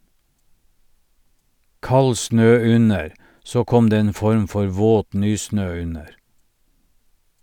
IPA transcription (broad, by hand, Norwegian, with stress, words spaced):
ˈkɑl ˈsnøː ˈʉnəɾ ˈsoː ˈkɔm ˈdeː ˈeːn ˈfɔɾm ˈfɔɾ ˈʋoːt ˈnyːˌsnøː ˈʉnəɾ